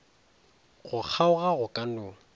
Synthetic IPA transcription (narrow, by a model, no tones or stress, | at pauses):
ɣʊk͡xʰaʊɣaɣʊkʼan̩ʊː